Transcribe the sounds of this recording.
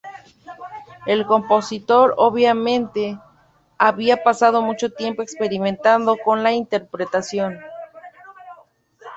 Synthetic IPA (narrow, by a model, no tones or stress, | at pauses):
elko̞mpo̞sit̪o̞ɾoβjamẽ̞nt̪e̞ | aβiapasað̞o̞mut͡ʃo̞t̪je̞mpoekspe̞ɾimẽnt̪and̪o̞ko̞nlaint̪e̞ɾpɾet̪asjo̞n